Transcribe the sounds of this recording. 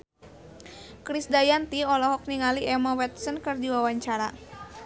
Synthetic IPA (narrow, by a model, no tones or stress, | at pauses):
kɾisdajant̪iɔlɔɦɔk̚niŋaliʔɛmawɛt̪̚sənkɨrdiwawaɲt͡ʃaɾa